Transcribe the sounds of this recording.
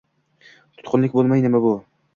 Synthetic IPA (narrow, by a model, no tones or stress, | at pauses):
t̪ʰʊ̥t̪qʰʊnlɪkʲbolˠmajnɪmabʊ